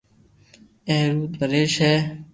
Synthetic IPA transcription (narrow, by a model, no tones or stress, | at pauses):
eːɾuːt̪ʋəɾeːʃɦɛː